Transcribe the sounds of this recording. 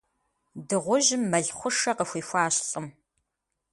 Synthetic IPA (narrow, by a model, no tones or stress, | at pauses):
dɨʁʷʊʒɪmːɐɮχʷʊʂɐqəxʷiːxʷaːɕɬʼəm